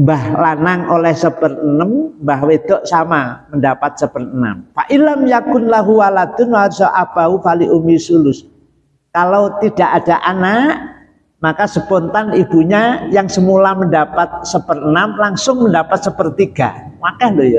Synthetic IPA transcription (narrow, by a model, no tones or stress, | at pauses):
mbahlanaŋolɛhsəb̥ərənəmbaɦwed̪̥ɔʔsamaməndapat̪̚səb̥ərəna̰mpa̰ʔilamjakʊnlaɦuwalad̪ʊnaɾsaʔab̥aufaliʔomisulʊs | kalawt̪id̥aʔad̥aʔanaʔ | makasəpɔnt̪anib̥uɲajaŋsəmulaməndapat̪̚səbərənamlaŋsʊŋməndapat̪̚səpərt̪iɡ̥a̰ | makahlojɔ